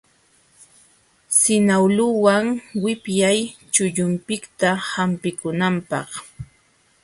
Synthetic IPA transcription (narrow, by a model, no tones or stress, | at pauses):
sɪnawlʊwaŋwɪpjajt͡ʃʊʎʊmpɪkt̪ahampɪkʊnampɑ̰χ